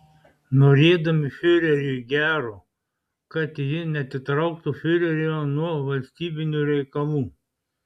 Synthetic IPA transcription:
noɾʲeːd̪ɐmʲɪfʲøɾʲɛɾʲiɡʲæːɾoː | kɐt̪jɪnʲɛt̪ʲɪt̪ɾɐʊk̚t̪ufʲøɾʲɛɾʲonuɔʋɐlʲsʲt̪ʲiːbʲɪnʲuːɾʲɛɪkɐlˠuː

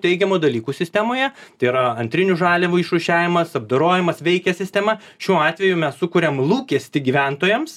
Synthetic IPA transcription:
t̪ʲɛɪɡʲɛmoːd̪ɐlʲiːkuːsʲɪsʲt̪ʲɛmoːjɛt̪ɐɪiɾɐɐnʲt̪ʲɾʲɪnʲuʒɑːlʲɛʋuɪʃuʃʲæːʋʲɪmɐsɐb̚d̪oɾoːjɪmɐsʋʲɛɪkʲɛsʲɪsʲt̪ʲɛmɐ | ʃʲuːɑːt̪ʲʋʲɛjʊmʲɛssʊkʊːɾʲɛmlˠuːkʲɛsʲt̪ʲɪɡʲiʋʲænt̪oːjɛms

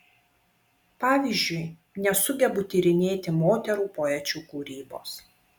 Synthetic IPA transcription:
pɑːʋʲiːˑzʲd͡ʒʲʊɪ | nʲɛsʊɡʲɛbʊt̪ʲiːɾʲɪnʲeːt̪ʲɪmoːt̪ʲɛɾuːpoːɛt͡ʃʲuːkuːɾʲiːbo̰ːs

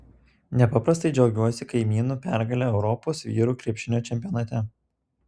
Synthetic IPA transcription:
nʲɛpɑpɾɐst̪ɐɪd͡ʒʲɛʊɡʲuɔsʲɪkɐɪmʲiːnuːpʲæɾɡɐlʲɛɛʊɾɔpoːsʋʲiːɾuːkɾʲiɛpʲʃʲɪnʲoːt͡ʃʲɛmʲpʲijɔnɐt̪ʲɛ

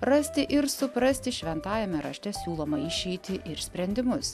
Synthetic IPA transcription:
ɾɐsʲt̪ʲɪʔɪɾsʊpɾɐsʲt̪ʲɪʃʲʋʲɛnt̪ɑːjʲɛmʲɛɾɐ̰ʃʲt̪ʲɛsʲuːlˠoːmɐɪʃʲɛɪt̪ʲɪʔɪɾsʲpʲɾʲɛnʲd̪ʲɪmʊs

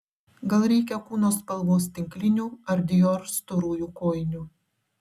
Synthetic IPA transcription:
ɡɐlˠɾʲɛɪkʲɛkuːnoːspɐlˠˑʋoːst̪ʲɪŋʲklʲɪnʲuːɐɾʲd̪ʲɪjɔɾst̪oɾuːjuːkoːjnʲuː

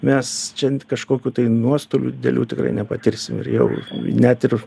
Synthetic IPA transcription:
mʲɛst͡ʃʲɛkɐʃkoːkʲuːt̪ɐɪnuɔst̪oːlʲṵːd̪ʲɪd̪ʲɛ̰lʲuːt̪ʲɪkrɐ̰ɪnʲɛpɐt̪ʲɪɾʲsʲɪmɪ̰rjɛ̰ʊnʲɛt̪ɪr

